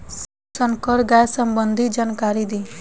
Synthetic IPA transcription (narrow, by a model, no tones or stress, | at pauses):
s | sənkɔɾɡajsəmbənd̪ʱid͡ʒankaɾid̪i